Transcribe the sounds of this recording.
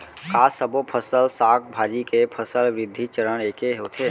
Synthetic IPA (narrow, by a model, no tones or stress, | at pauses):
kaːsəbopʰəsəlsaːk̚ʰbʱaːd͡ʒikepʰəsəlʋɾɪd̪ʱːit͡ʃəɾəɽ̃eːkeɦoːt̪ʰeː